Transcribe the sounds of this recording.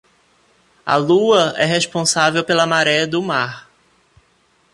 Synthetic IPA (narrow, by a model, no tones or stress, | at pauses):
ɐ̰luɐʔɛɦespõsavewpelɐmaɾɛɐd̪ʊmaɾ